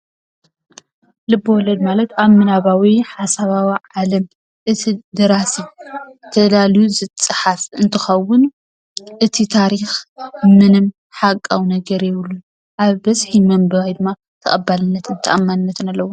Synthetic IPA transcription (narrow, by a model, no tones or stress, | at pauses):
lɨbowɔlɐd̪malɐt̪amːɨnaβawiħasaβawiʕalɐm | ʔɨt̪ʰid̪ɨɾasit̪ʰɐlaljuzɨt͡sʼːɨħafɨnt̪ʰɨxɐwʊn | ʔɨt̪ʰit̪ʰaɾixmɨnɨm | ħakʼːawnɐɡɐɾjɛβɨlːu | ʔaβbɐzħimɐmbɐβajd̪ɨmːa | t̪ʰɐ̰χʼɐbalɨnːɐt̪ʰɨnt̪ʰɐʔamːanɨnːɐt̪ɨnalːɐwo